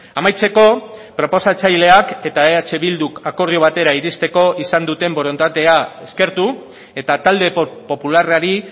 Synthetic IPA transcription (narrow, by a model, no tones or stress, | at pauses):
amajt͡se̞ko̞pɾo̞po̞sat͡sajle̞ake̞t̪aeat͡ʃe̞βild̪ukako̞ɾðioβ̞at̪e̞ɾaiɾist̪e̞ko̞ʔisand̪ut̪e̞mbo̞ɾo̞nt̪at̪eae̞ske̞ɾt̪u | e̞t̪at̪ald̪e̞po̞pularaɾi